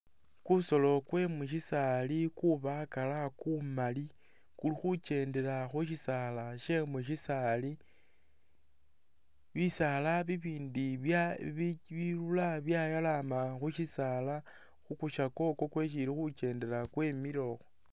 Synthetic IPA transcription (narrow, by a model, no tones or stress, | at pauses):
kuso̞lo̞kwe̞mwuʃisalikuβakalakumali | kulixut͡ʃe̞ːnde̞laxuʃ̬isalaʃe̞mwuʃisali | βisalaβiβiːndi | βiɾulaβjajalamaxuʃisala | xukuʃako̞ko̞kwe̞ʃ̬ilixut͡ʃe̞ːnde̞lakwe̞miɾo̞xo